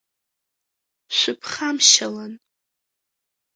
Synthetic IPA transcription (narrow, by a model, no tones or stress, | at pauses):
ʃʷʊpʰχamʃalan